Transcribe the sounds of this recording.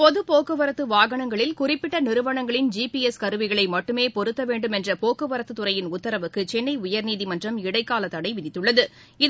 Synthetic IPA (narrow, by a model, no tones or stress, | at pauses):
pɔðɯpoːkːɯʋɐɾɐt̪ːɯʋaːɣɐɳɐŋɡɐɭɪlkʊrɪpːɪʈːɐnɪɾɯʋɐɳɐŋɡɐɭɪnd͡ʒiːpiɛskɐɾɯʋɪɣɐɭɐɪmɐʈːɯmeːpɔɾɯt̪ːɐʋeːɳɖɯmɛndrɐpoːkːɯʋɐɾɐt̪ːɯt̪ːɯɾɐjɪnʊt̪ːɐɾɐʋɯkːɯt͡ʃɛnːɐɪʊjɐɾniːðimɐndrɐmɪɽɐɪkːaːlɐt̪ːɐɽɐɪʋɪðɪt̪ːɯɭːɐðɯ | ɪð